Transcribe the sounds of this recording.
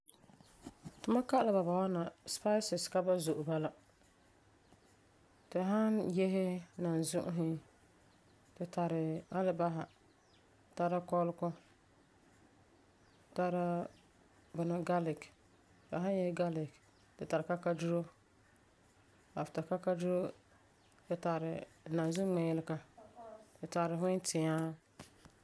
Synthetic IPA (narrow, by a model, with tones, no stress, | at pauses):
tʊ˦ma˦ka˦ʔla˨ba˨ba˨wa˦na˨spa˦sɪ˨ska˦ba˦zʊ˨ʔʊ˨ba˦la˦ | tɪ˨ɦa˦njɛ˦ɦɪ˦na˨n˨zʊ˦ʔʊ˦ɦɪ˦ | tɪ˨ta˨ɾɪ˨a˦lɪ˦ba˦ɦa˨ | ta˦ɾa˦kɔ˦lkɔ˦˨ | ta˦ɾa˦ | bʊ˨na˦ɡa˦lɪ˨k | ta˨ɦã˦njɛ˦hɪ˦ɡa˦lɪ˨k | tɪ˨ta˨ɾɪ˨ka˦ka˦du˦ɾo˦ | a˨fɪ˨ta˨ka˦ka˦du˦ɾo˦ | tɪ˨ta˨ɾɪ˨nã˨nzʊ˦ŋ͡mɛ˨jɪ˦lɪ˦ka˦ | tɪ˨ta˨ɾɪ˨ɦʊ˦tʰɪ˨aː˦